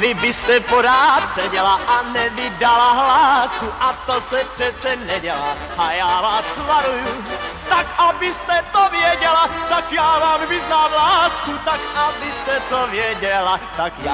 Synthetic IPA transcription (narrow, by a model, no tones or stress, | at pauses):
vɪbɪst̪ɛpoɾaːt̪sɛɟɛlaʔanɛvɪdalaɦlaːskuʔat̪osɛpr̥ɛt̪t͡sɛnɛɟɛlaː | ʔajaːvaːsːvaɾujut̪akabɪst̪ɛt̪ovjɛɟɛlat̪akjaːvaːmvɪznaːmɦlaːskut̪akʔabɪst̪ɛt̪ovjɛɟɛlat̪akj